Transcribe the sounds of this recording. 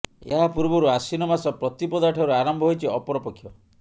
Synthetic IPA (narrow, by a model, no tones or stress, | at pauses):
ḛɦapuɾbɔɾuasinɔmasɔpɾɔt̪ipɔd̪aʈʰɔɾuaɾɔmbʱɔɦojt͡ʃʰiɔpɔɾɔpɔkʰːjɔ